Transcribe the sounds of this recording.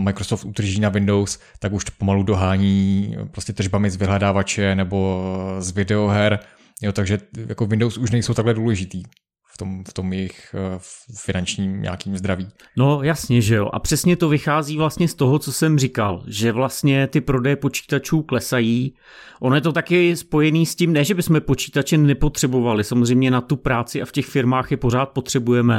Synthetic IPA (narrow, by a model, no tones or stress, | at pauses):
majkɾosoːft̪ʔud̪r̩ʒiːnavɪndows | t̪akuʃt̪o̥pomaludoɦaːɲiːpɾoscɛt̪rʒbamɪzvɪɦlɛdaːvat͡ʃɛnɛbo̞zvɪdɛoɦɛɾ | jot̪aɡʒɛja̰kovɪndowsuʃnɛjsowt̪aɡlɛduːlɛʒɪt̪iː | ft̪omft̪o̞mjɛjɪx | fɪnant͡ʃɲiːmɲa̰ːkiːmzd̪ɾaviː | no̞jasɲɛʒɛjo̞̰ʔa̰pr̝̥ɛsɲɛt̪o̞vɪxaːziːvlast̪ɲɛst̪o̞ɦo̞t͡so̞sɛmrika̰lʒɛvlast̪ɲɛt̪ɪpɾo̞dɛjɛpo̞t͡ʃi̥ːt̪at͡ʃuːklɛsajiː | ʔo̞nojɛt̪ot̪akɪspo̞jɛniːscɪmnɛːʒɛbɪsmɛpo̞t͡ʃi̥ːt̪at͡ʃɛnɛpo̞t̪r̥ɛbo̞valɪsamozrɛjmɲɛnat̪upɾaːt͡sɪʔafcɛxfɪɾmaːxjɛpo̞ɾaːt̪̚po̞t̪r̝̥ɛbujɛmɛ